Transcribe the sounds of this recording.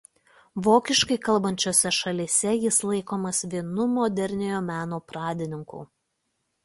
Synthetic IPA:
ʋoːkʲɪʃkɐɪkɐlˠbɐnʲt͡ʃʲoːsʲɛʃɐlʲiːsʲɛjɪslˠɐɪkoːmɐsʋʲiɛnʊmoːd̪ʲɛɾʲnʲejoːmʲæːnoːpɾɑːd̪ʲɪnʲɪŋkṵː

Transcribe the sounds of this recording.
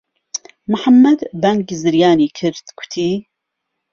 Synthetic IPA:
mʊħamːɐd̪bɐŋɡzɨɾjaːniːkʰɨɾd̪̥ɡʰʊ̥t̪ʰiː

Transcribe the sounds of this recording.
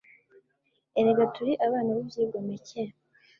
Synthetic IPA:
eɾeɡatuɾiʔaβaːnaβibjiːɡomece

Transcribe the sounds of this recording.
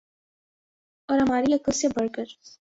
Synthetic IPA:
ɔːɾɦɐmaːɾiɐklsebɐɽkəɾ

